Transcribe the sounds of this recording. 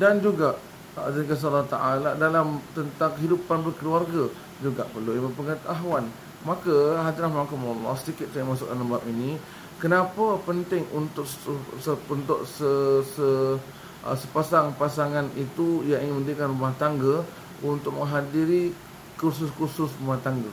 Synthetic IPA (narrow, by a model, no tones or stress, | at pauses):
dand͡ʒuɡaʔ | t̪aikas̬alːaht̪aʔaladalamt̪ənt̪aŋkəɦidupanbərkəluarɡa | d͡ʒuɡaʔpərluiməpəŋat̪aɦwan | makaɦalt̪ənahmakumɔlːɔ̰hsədikɪt̪̚sajaŋmasʊk̚dalambapini | kənapapənt̪ɪŋunt̪ʊksəunt̪ʊʔsəsə̰ | səpasaŋpasaŋanit̪ujaŋiŋɪnmə̃ndəɾikanrumaht̪aŋɡə | unt̪ʊk̚mə̃ŋɦadiɾi | kursʊskursʊsɾumaht̪aŋɡa